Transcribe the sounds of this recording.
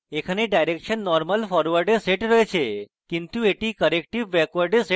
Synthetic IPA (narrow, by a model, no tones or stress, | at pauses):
ekʰəneɖajɾekʃənːɔɾməlfɔɾʋəɾɖeseʈɾəet͡ʃʰe | kint̪ueʈikəɾek̚ʈiʋːɛkʋəɾɖese